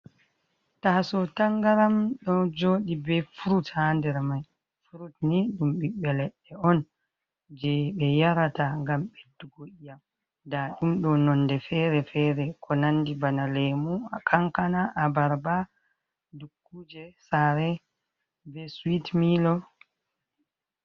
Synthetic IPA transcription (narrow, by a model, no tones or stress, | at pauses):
tasɔtaŋɡaɾamɗɔd͡ʒoːɗibɛfuɾuthandɛɾmaj | fuɾutniɗumɓiɓɛlɛɗːɛɔn | d͡ʒɛɓɛjaɾataŋɡamɓedːuɡoʔijam | daɗumɗɔnɔndɛfɛɾɛfɛːɾɛkʰɔnanːdibanalɛmuakʰaŋkanaʔabaɾba | dukːuːd͡ʒɛsaɾɛ | bɛsuwitmiːlɔ